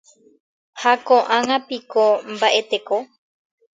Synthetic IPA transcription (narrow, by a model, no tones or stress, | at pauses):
hakõʔãŋãpikombaʔe̞t̪e̞ko